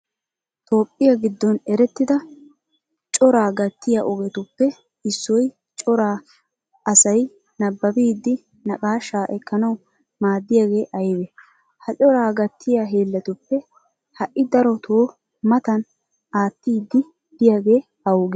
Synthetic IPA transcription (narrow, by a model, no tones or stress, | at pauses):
t̪ʰo̞ːpʼːɪjɐɡɪd̪ːɔnɛɾɛt̪ːɪd̪ɐ | t͡ʃʼɔɾaːɡɐt̪ːɪjaʔɔɡɛt̪ʊpːɛ | ɪsːɔj | t͡ʃʼɔɾaː | ɐsɐj | nɐbːɐbiːd̪ːɪ | nɐkʼaːʃaːʔɛkːɐnɐw | maːd̪ːɪjaːɡe̞ːʔɐjbɛ | hɐt͡ʃʼɔɾaːɡɐt̪ʰːɪjaɦeːlːɐt̪ʊpːɛ | hɐʔʔɪd̪ɐɾɔt̪ʰoː | mɐt̪ɐn | aːt̪ːiːd̪ːɪ | d̪̥ɪjaːɡe̞ː | ɐwʊɡɛ